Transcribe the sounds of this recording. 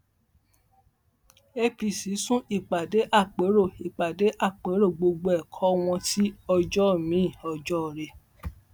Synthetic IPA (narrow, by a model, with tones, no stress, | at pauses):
e˧pi˧˨si˨˦sũ˦i˦˨k͡pa˨de˨˦ʔa˦˨k͡pe˨˦ɾo˦˨i˨k͡pa˨de˨˦ʔa˦˨k͡pe˨˦ɾo˦˨ɡ͡bo˧ɡ͡bo˧ɛ˦˨kʰɔ˦w̃ɔ̃˧ti˦ɔ˧d͡ʒɔ˦˨mĩ˨˦ĩ˦˨ɔ˧d͡ʒɔ˦˨ɾe˧˨